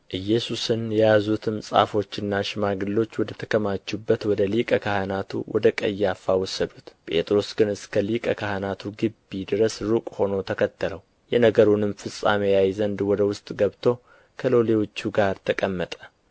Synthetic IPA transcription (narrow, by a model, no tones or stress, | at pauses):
ʔɨjːɛsusɨnjɛjazut̪ʰɨmsʼa̰fo̞t͡ʃːɪnːaʃɪmaɡɨlːo̞t͡ʃːwɔd̪ət̪ʰə̥kʰəmat͡ʃːubːət̪wɔd̪əlikʼəkʰahənat̪ʰṵwɔ̰d̪əkʼə̰jːafːawɔsːəd̪ut̪pʼe̞̰t̪ʼɾo̞sɡɨnɨskʰəlikʼəkʰahənat̪ʰuɡɨbːid̪ɨɾəsɾukʼho̞no̞t̪ʰəkʰət̪ʰːələw | jɛnəɡəɾunɨmfɨsʼa̰mejajzənd̪wɔd̪əwʊst̪ʼɡəβt̪ʰo̞ | kʰəlo̞lewot͡ʃːuɡaɾt̪ʰəkʼəmːət̪ʼə̥